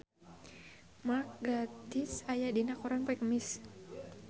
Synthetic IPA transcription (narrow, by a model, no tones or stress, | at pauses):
mak̚ɡat̪ɪsajadinakɔɾɔnpɔɛkəmɪs